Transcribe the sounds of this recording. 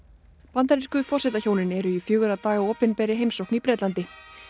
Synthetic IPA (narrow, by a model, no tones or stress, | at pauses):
pant̪aɾiskʏfɔsɛt̪açoːwnɪnɛɾʏifjʏːɣʏɾat̪aːɣaoːpɪnpɛɾɪɦejmsowknipɾɛːt̪lant̪ɪ